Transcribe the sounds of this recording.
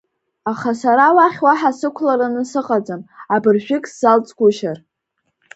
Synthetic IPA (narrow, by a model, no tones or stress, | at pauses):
aχasaɾawaχʲwaħasɨkʷʰlaɾɨnɨsɨqʼad͡zamabɨrʒᶣɪkʼsz̥alt͡sʼɡʷʊʃar